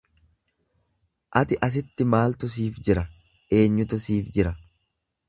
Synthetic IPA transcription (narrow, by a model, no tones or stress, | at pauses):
ʔɐt̪ɪʔɐs̬ɪt̪ːɪmaːlt̪ʊs̬iːfd͡ʒɪɾɐ | ʔe̞ːɲːʊt̪ʊsiːfd͡ʒɪɾɐ